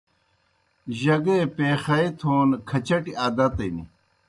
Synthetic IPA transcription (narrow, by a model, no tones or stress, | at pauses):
ʑɐɡepeːxɐet̪ʰoːnkʰɐt͡ɕɐʈiaːd̪ɐt̪ɐinḭ